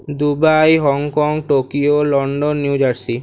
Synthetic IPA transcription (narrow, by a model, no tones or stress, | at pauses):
d̪ubajɦɔŋkɔŋʈokiolɔɳɖɔnːjud͡ʒaɾsi